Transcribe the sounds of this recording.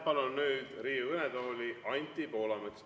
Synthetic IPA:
pɑlonːyːd̪̥riːuɯned̪oːlʲiʔɑnʲt̪ːipo̞ːlɑmet̪s

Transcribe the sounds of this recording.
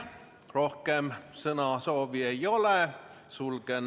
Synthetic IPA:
rohkemsɤnɑsoːʋiejole | sulɡ̥en

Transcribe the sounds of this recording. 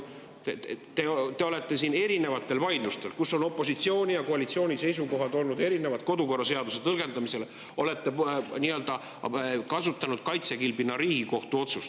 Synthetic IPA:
t̪et̪et̪e̞o̞le̞t̪ːˑe̞siːne̞ɾine̞vɑt̪ːˑe̞lvɑjd̪lust̪e̞lkusːo̞no̞pːˑo̞sit̪sio̞ːnʲijɑko̞ɑlit̪sio̞ːnʲisejs̬uko̞ɦɑd̪o̞lnud̪e̞ɾine̞vɑd̪̥ko̞d̪uko̞rːɑse̞ɑd̪use̞t̪ɤlɡ̥e̞nd̪ɑmise̞le | o̞le̞t̪ːe̞niːø̞ld̪̥ɑ | kɑsut̪ːˑɑnud̪̥kɑjt̪sekilbinːɑɾiːɡ̥iko̞ht̪uo̞t̪sust̪

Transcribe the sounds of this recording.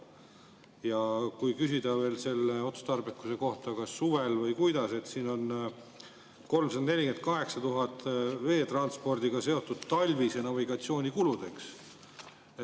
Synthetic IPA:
jɑkujkysid̪̥ɑve̞ːlse̞lːeo̞t̪su̥st̪ɑrbikːuse̞ko̞ht̪ɑkɑsːuve̞lvɤjkujd̪̥ɑse̞t̪siːno̞n | ko̞lmsɑd̪ɑne̞lʲike̞nt̪̚kɑɦe̞ksɑt̪uɦɑt̪ːˑve̞ːt̪rɑnspo̞rd̪̥iɡ̥ɑse̞o̞t̪ːˑud̪̥t̪ɑlʲvisenɑviɡ̥ɑt̪sio̞ːnʲikulud̪̥e̞ks | e

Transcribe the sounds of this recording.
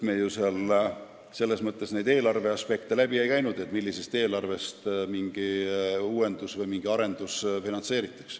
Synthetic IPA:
me̞juseɑl | se̞lːe̞smɤt̪ˑːe̞sne̞jd̪e̞ːlɑrve̞ɑspe̞k̚t̪e̞læbie̞jkæjnud̪̥e̞t̪ːˑmilːise̞st̪e̞ːlɑrve̞st̪miŋɡ̥iuːwe̞nd̪usvɤjmiŋɡ̥iɑɾe̞nd̪̥usfinɑnt̪se̞ːɾit̪ːˑɑ̥ks

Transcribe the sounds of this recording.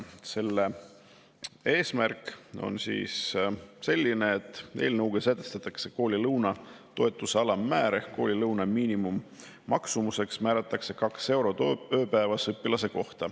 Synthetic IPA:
se̞lːe | e̞ːsmærkˑo̞̰nsḭːsse̞lʲːine̞ːt̪ːˑe̞̰ːlnɤwɡ̥esæt̪ːˑest̪ɑt̪ːˑɑkse̞ko̞ːlʲilɤwnɑt̪o̞e̞t̪ːˑuseɑlɑmːæːɾeko̞ːlʲilɤwnɑmiːnimumː | ɑksumuse̞ksmæːɾɑt̪ːˑɑkse̞kɑkse̞wɾo̞t̪oøːpæːvɑsɤpːˑilɑse̞ko̞ht̪ɑ

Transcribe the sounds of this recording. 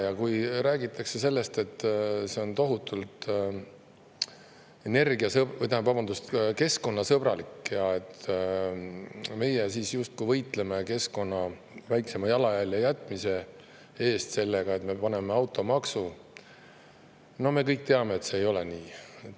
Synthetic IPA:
jɑkujɾæːɡit̪ːˑɑkse̞se̞lːe̞st̪e̞t̪ːse̞o̞nt̪o̞ɦut̪ːult̪ | e̞ne̞rɡiɑsɤbjt̪ɑmpɑb̥ɑnd̪ust̪ke̞sko̞nːɑsɤb̥ɾɑ̰likjɑe̞t̪ | me̞jesiːsjust̪̚kujvɤjt̪ˑle̞me̞ke̞sko̞nːɑ | væjkse̞mɑjɑlɑjælʲjɑjæt̪ːˑmise̞ | e̞ːst̪se̞lːe̞ɡ̥ɑe̞t̪me̞pɑne̞meɑwt̪ːˑo̞mɑksu | no̞hme̞kɤjk̚t̪e̞ɑme̞ːt̪seːjo̞leniː

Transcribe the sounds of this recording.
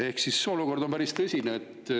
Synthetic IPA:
e̞hksiso̞luko̞rd̪o̞mpæɾist̪ɤsʲineːt̪ː

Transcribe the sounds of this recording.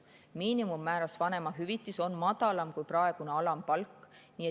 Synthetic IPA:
miːnimumːæːɾɑsvɑne̞mɑɦyvit̪ˑːiso̞nmɑd̪̥ɑlɑmkujprɑe̞ɡ̥uneɑlɑmpɑlkːˑniːe

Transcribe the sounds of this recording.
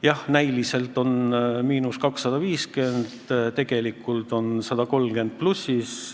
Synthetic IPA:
jɑhnæjlise̞lt̪ˑo̞nmiːnuskɑksːɑd̪ɑviːske̞nd̪̥t̪e̞ɡ̥e̞likːˑult̪ˑo̞nsɑd̪̥ɑko̞lmɡe̞nd̪̚plusis

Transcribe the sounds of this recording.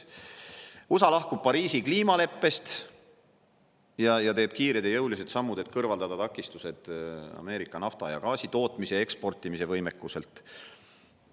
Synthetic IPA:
osɑlɑhkub̥̚pɑɾiːsikliːmɑle̞pːe̞st̪ | jɑjɑt̪e̞ːb̥̚kiːɾed̪̥jɑjɤwlis̬e̞t̪sɑmːud̪e̞t̪kɤrvɑld̪ɑd̪ɑt̪ɑkːˑist̪use̞d̪̥ɑ̰me̞ːɾikːˑɑnɑft̪ɑjɑ̰kɑːsʲit̪o̞ːt̪ˑmise̞e̞kspo̞rt̪ːˑimise̞vɤjme̞kːˑuse̞lt̪

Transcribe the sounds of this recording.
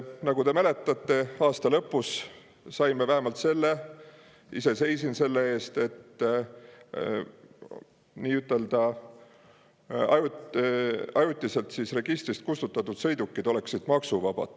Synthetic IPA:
nɑɡ̥ud̪e̞mæle̞t̪ˑːɑt̪ːˑe̞ɑːst̪ɑlɤpːˑusː | ɑjmevæɦe̞mɑlt̪se̞lːe̞ | ise̞se̞jsinse̞lːe̞e̞ːst̪e̞t̪ː | niːyt̪ːˑe̞ld̪̥ɑ | ɑj | ɑjut̪ˑːise̞lt̪sisre̞ɡ̥ist̪ɾist̪̚kust̪ut̪ːˑɑt̪ːˑud̪̥sɤ̞jd̪ukːid̪o̞le̞ksid̪̥mɑksuvɑb̥ɑ̰d̪̥

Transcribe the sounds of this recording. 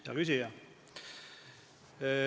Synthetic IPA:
jɑ̰kysijɑ

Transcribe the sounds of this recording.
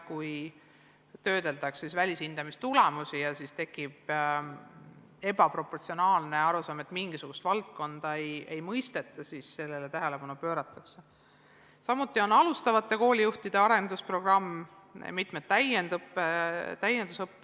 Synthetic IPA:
kuj | t̪ø̞ːd̪e̞lt̪ɑksːisvælʲisind̪̥ɑmist̪ulemusijɑsist̪e̞kːˑib̥ | e̞bɑpɾo̞pːo̞rt̪sio̞nɑːlneɑɾusɑːme̞t̪miŋɡ̥isuɡ̥ust̪vɑlt̪̚ko̞nd̪̥ɑeje̞jmɤjst̪e̞t̪ːˑɑsisse̞lːe̞let̪æɦe̞le̞pɑnupø̞ːɾɑt̪ːˑɑkse | sɑmut̪ːˑio̞nɑlust̪ɑvɑt̪ˑːe̞ko̞ːlʲijuht̪id̪̥e̞ɑɾe̞nd̪̥uspro̞ɡ̥rɑm̰ː | mit̪ˑmet̪t̪ːæjend̪̥upːet̪æjːend̪̥usɤpː

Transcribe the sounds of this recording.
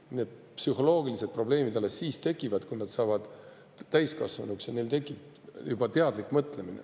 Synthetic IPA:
ne̞ːd̪̥̚psyɦo̞lo̞ːɡilise̞d̪̚pro̞ble̞ːmid̪ɑlːesːiːst̪e̞kːˑivɑd̪̥kujnɑd̪̥sɑːvɑd̪̥ | t̪æjskɑ̰svɑnuksjɑne̞lt̪e̞kˑːib | jub̥ɑt̪eɑd̪likːˑmɤt̪ˑle̞minḛ

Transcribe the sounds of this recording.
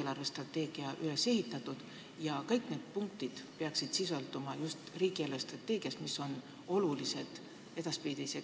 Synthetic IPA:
elɑrvest̪rɑt̪ːe̞ːɡ̥iɑʔylese̞ɦit̪ːˑɑt̪ːˑud̪̥ | jɑkɤjkne̞ːd̪̥̚puŋkt̪id̪̥peɑksid̪̥siso̞ld̪̥umɑjust̪riːɡ̥ielvest̪rɑt̪ːˑe̞ːɡ̥iɑsmiso̞n | o̞lulise̞d̪̥ | e̞d̪̥ɑspiːd̪ise

